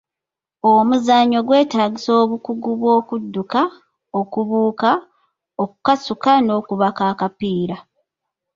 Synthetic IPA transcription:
omuzaɲo̞ɡwe̞ːtaːɟiso̞ːβukuɡuβwo̞ːkudːuka | okuβuːka | okukasukano̞ːkuβakaːkapiːɾa

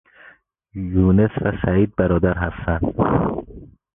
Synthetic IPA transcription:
juːnesvæsæiːd̪̚bæɾɒːd̪æɾɦæst̪ænd̪̥

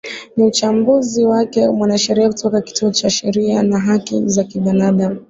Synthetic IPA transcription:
niut͡ʃambuziwakɛmwanaʃɛɾiakutʰɔkaki̥tuɔt͡ʃaʃɛɾianaɦakḭzakiɓinaɗamu

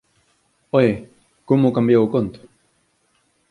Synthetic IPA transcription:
oje | kumukambjawkont̪

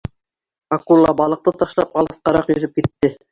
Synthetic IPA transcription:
ɑkulˠːɑbɑlˠɤ̆q̚t̪ɤt̪ɑʃlˠɑp̚ɑlˠɤ̆θqɑɾɑqjɵ̆ðɵp̚kit̪ːɘ

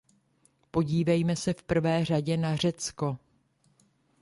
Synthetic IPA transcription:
po̞ɟiːvɛjmɛsɛfpr̩vɛːr̝aɟɛnar̝ɛt͡sko̞

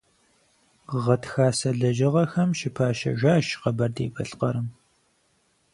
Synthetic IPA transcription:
ʁɐtxaːsɐɮɐʒɐʁɐxɐmʃɪpʰaːʃɐ̰ʒʷaːʃqɐbɐrdeːbɐɬqɐɾɨm

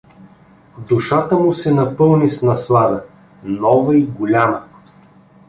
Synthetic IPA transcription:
d̪ʊʃat̪əmʊsɛnɐpɤlˠnisnɐslˠad̪ə | nɔvɐiɡʊlʲamə

